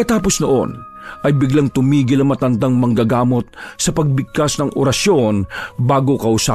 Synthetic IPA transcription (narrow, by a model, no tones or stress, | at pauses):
kɐt̪aːpo̞snoʔo̞̰n | ʔɐjbɪɡlaŋt̪ʊmiːɡɪlɐŋmɐt̪ɐnd̪ɐŋmɐŋɡɐɡaːmo̞t̪̚sɐpɐɡ̚bɪɡ̚kasnɐŋo̰ɾɐsjo̞nbaːɡo̞kɐʔʊsaː